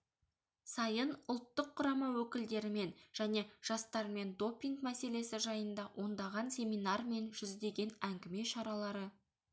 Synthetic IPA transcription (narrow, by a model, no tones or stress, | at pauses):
sɑjənʊlˠt̪ːəqʰːʊɾɑmɑwɵkʲɪld̪e̞ɾɪme̞nʒ̥æne̞ʒ̥ɑst̪ɑɾme̞nd̪o̞pʲːiŋkmæse̞le̞sɪʒɑjənd̪ɑwʔo̞nd̪ɑʁɑnsʲe̞mijnɑrme̞nʒ̥ʏzd̪e̞ɡʲe̞næŋɡʲɪme̞ʃɑɾɑlˠɑɾə